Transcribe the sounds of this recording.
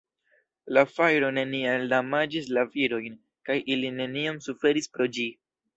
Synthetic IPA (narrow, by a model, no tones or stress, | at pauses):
lafajɾo̞ne̞niandamad͡ʒislaviɾo̞jn | kajʔiline̞niamsufe̞ɾispɾo̞d͡ʒi